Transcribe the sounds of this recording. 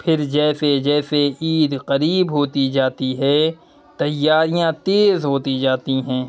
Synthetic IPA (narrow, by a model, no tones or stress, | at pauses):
pʰɪɾd͡ʒɛːsed͡ʒɛːseʔiːd̪qɐɾiːbɦoːt̪id͡ʒaːt̪iɦɛ | t̪ɐjːaːɾijãt̪eːzɦoːt̪id͡ʒaːt̪iɦɛ̃ː